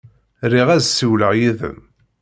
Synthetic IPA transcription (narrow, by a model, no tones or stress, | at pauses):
riʁæzsiwləʁjiðə̰n